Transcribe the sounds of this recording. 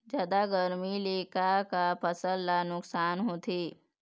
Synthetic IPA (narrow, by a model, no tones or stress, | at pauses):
d͡ʒjaːd̪aɡəɾmileːkakapʰəsəlːanʊksaːnɦoːt̪ʰiː